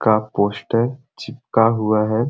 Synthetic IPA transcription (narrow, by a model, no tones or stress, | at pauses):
kapoːsʈəɾ | t͡ʃɪp̚kaɦuaɦɛ